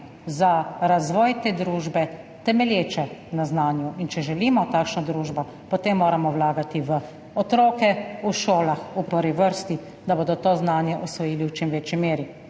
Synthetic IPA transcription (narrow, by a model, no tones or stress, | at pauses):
zaɾazʋɔːjt̪eːd̪ɾuːʒbɛ | t̪ɛmɛljeːt͡ʃɛnaznaːnjuʔint͡ʃɛʒɛliːmɔt̪aːkʃnɔd̪ɾuːʒbɔ | pɔt̪emːoːɾamɔwlaːɡat̪iʋə | ɔt̪ɾoːkɛuʃoːlaxupəɾʋiʋəɾst̪i | d̪aboːd̪ɔt̪oːznaːnjɛʔɔsʋɔjiːliwt͡ʃimʋeːt͡ʃimeːɾi